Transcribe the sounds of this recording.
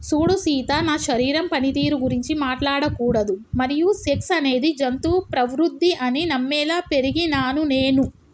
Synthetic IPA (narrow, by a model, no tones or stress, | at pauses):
suːɽusiːt̪anaːʃɐɾiːɾɐmpɐnit̪iːɾuɡuɾiɲt͡ʃimaːʈlaːɽɐkuːɽɐd̪umɐɾijuseksɐne̞ːd̪id͡ʒɐnt̪upɾɐʋɾud̪ʱːiʔɐninɐmːɛːlaːpe̞ɾiɡinaːnuneːnu